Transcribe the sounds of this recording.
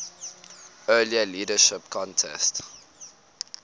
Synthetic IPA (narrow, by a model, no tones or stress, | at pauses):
ɜːliəliːdəʃɪpkʰɔ̃ntʰɛ̰st